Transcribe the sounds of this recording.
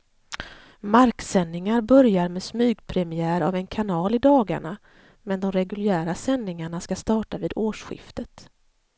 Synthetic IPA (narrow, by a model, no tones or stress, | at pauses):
maɾksɛnːɪŋaɾbœɾjaɾmɛːsmyːɡpʰɾɛmɪæːɾa̰vɛnkʰanɑːlɪd̪ɑːɡa̰ɳa | mɛnd̪ɔmɾɛɡɵljæːɾasɛnːɪŋaɳaskast̪ɑːʈaviːd̪oːʂɧɪ̰ft̪ət̪